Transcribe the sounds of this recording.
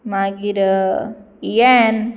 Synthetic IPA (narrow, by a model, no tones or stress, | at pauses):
maɡiɾ | ien